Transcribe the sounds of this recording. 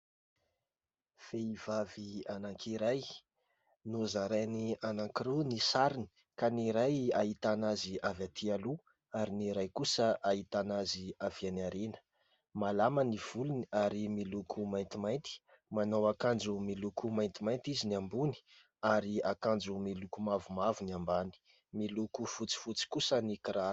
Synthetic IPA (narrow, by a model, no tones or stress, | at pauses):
feivavianaŋkʰiɾaj | nuzaɾajnianaŋkiɾunisaɾini̥ | kaniɾajait̪anaziʔavat̪ʰialu | aɾiniɾajkusəʔait̪anaziav̥ianaɾenə̥ | malaməniv̥uluniaɾimilukʰumajnt̪imajnt̪i̥ | manawakand͡ʒumilukʰumajnt̪imajnt̪iziniambuni̥ | aɾiakand͡zumilukumavumavunambani̥ | milukufut͡si̥fut͡si̥kusənikiɾa